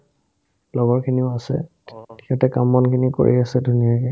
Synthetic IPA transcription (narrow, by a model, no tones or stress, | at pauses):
blɔɡɔɹkʰiniʊasɛ̰ | ti̥kʰɛtɛkamːɔnkʰiniko̰ɹḭasɛdʱunijakɛ